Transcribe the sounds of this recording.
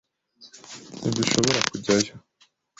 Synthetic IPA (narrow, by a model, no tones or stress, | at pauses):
niduʃoβo̞ɾakuɟaja